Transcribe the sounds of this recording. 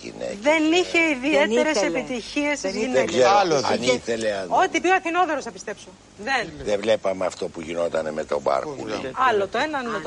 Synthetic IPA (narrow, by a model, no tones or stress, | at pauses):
ḭnḛðeniçe̞iðiet̪eɾessepit̪içieszineela̰niθeleot̪ipjoɐθinoðeɾosθɐpist̪e̞pso | ðenðevlepɐmeɐft̪o̞puʝino̞t̪ɐnemet̪o̞̰bɐ̰ɾkṵɐlot̪oenɐni